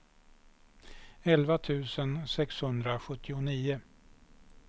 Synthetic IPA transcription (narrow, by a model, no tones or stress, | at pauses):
ɛlvat̪ʰʉ̟ːsənsɛkshɵnd̪ɾaɧɵt̪ʰːɪʊniːʊ